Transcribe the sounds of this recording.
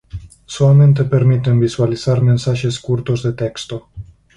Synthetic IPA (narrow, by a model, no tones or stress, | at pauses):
soament̪̬epe̞rmit̪ɨnvizualisarme̞nsaʒe̞skurt̪ord̪et̪e̞kst̪o